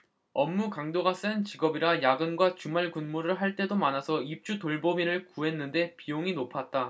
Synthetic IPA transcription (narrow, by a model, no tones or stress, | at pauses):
ʌmːukaŋdoɡas͈ant͡ɕiɡʌbiɾajaɡɯnɡwat͡ɕumaɭkunmuɾɯɭɦaɭt͈e̞domanasʰʌip̚t͡ɕ͈utoɭbomiɾɯɭkuɦe̞nːɯnde̞pijoŋinopʰat̚t͈a